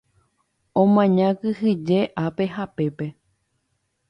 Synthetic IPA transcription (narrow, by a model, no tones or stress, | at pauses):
õmãɲãkɨhɨd͡ʒe̞ʔape̞ɦape̞pe̞